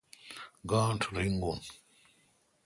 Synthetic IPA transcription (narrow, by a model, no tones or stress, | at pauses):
ɡaːntʰɾiŋɡun